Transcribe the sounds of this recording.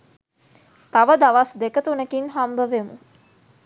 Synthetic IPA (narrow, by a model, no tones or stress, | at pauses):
t̪aʋəd̪aʋasd̪ekət̪unəkinɦambəʋemṵ